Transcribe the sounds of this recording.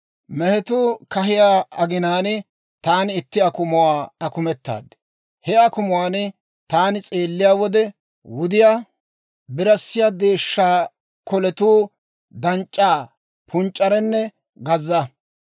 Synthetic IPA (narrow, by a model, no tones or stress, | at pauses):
mɛhɛt̪uːkɐɦɪjaːɐɡɪnaːnɪ | t̪aːnɪɪt̪ːɪɐkʊmʊwaːɐkʊmɛt̪ːa̰ːd̪ | hɛɐkʊmʊwaːnɪ | t̪aːnɪt͡sʼe̞ːlːɪjaːwɔd̪ɛ | wʊd̪ɪjaː | bɪɾɐsːɪjaːd̪e̞ːʃːaː | kɔlɛt̪uː | d̪ɐnt͡ʃʼːaː | pʰʊnt͡ʃʼːɐɾɛnːɛ | ɡɐzːɐ